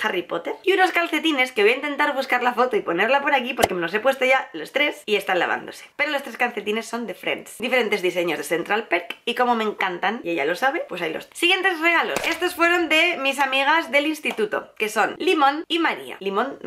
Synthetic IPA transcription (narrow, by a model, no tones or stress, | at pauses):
xaripo̞t̪e̞ɾiuno̞skalθe̞t̪ine̞skeβo̞jaint̪e̞nt̪aɾβ̞uskaɾlafo̞t̪oipo̞ne̞ɾlapo̞ɾakipo̞ɾkemelo̞se̞pwest̪o̞ʝalo̞st̪ɾe̞sie̞st̪anla̰βa̰nd̪o̞̰se̥pe̞ɾolo̞st̪ɾeskalθe̞t̪ine̞sːo̞nd̪e̞fɾḛnsd̪ife̞ɾe̞nt̪eðise̞ɲo̞zðeθe̞nt̪ɾalpeɾkiko̞mo̞mẽŋkant̪anʝaʝa̰lo̞saβ̞e̞pwe̞sajlo̰ssiɣje̞nt̪e̞sreɣ̞alo̞̰se̞st̪osfwe̞ɾo̞nd̪e̞mis̬amiɣ̞azðe̞linst̪it̪ut̪o̞̰ke̞so̞nlimõ̞nimaɾia̰limõ̞n